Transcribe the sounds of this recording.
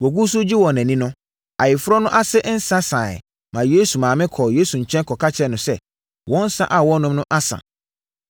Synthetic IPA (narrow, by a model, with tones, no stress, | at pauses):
wɔ˨ɡu˦s̬ʊ˦d͡ʑi˦wɔ̃˨næ̃˨nĩ˦nʊ̃˦ | a˨jɪ˨fʊ˦ɾɔ˦nʊ̃˦ʔa˦sɪ˦ʔn̩˦sã˦sa˨ɪ̰˨ | mã˨je˦su˨mãː˨mɪ̃˦kʰɔ˨je˦su˨ɲ̩˨t͡ɕʰᶣɛ̃˦nkʰɔ˨kʰa˦t͡ɕʰɛ˦nʊ̃˨sɛ˦ | wɔ̃˦n̩˦sa̰˦ʔa˨wɔ̃˦nʊ̃˦mnʊ̃˦ʔa˦sã̰˨